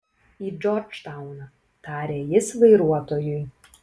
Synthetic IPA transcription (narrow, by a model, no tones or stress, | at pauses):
iːd͡ʒɔɾd͡ʒt̪aʊnɐ | t̪ɑːɾʲeːjɪsʋɐɪɾuɔt̪oːjʊj